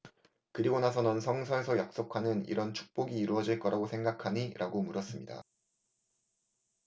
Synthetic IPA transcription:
kɯɾiɡonasʰʌnʌnsʰʌŋsʰʌesʰʌjak̚s͈okʰanɯnḭɾʌnt͡ɕʰu̥k̚p͈oɡiːɾuʌd͡ʑiɭk͈ʌɾaɡosʰe̞ŋɡakʰaɲiɾʔaɡomuɾʌs͈ɯmɲida̰

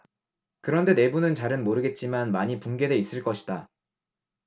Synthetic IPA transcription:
kɯɾʌnde̞ne̞bunɯnt͡ɕaɾɯnmoɾɯɡe̞t̚t͡ɕ͈imanmaɲipuŋɡe̞de̞is͈ɯɭk͈ʌɕʰi̥d̥a

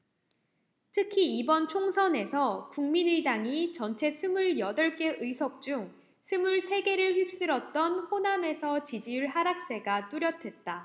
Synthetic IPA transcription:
tʰɯkʰiibʌnt͡ɕʰoŋsʰʌne̞sʰʌkuŋminɯidaŋit͡ɕʌnt͡ɕʰe̞sʰɯmuɭjʌdʌɭk͈e̞ʔɯjsʰʌk̚t͡ɕ͈uŋ | sʰɯmuɭsʰe̞ɡe̞ɾɯɭɸɥip̚s͈ɯɾʌt̚t͈ʌnɸoname̞sʰʌt͡ɕid͡ʑiuɭɦaɾak̚s͈e̞ɡat͈uɾjʌtʰe̞t̚t͈a

